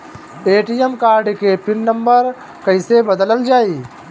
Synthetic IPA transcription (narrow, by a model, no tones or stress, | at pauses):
eːʈijəmkaːɾɖkepɪnːə̃mbəɾ | kəɪsebəd̪ələld͡ʒaːi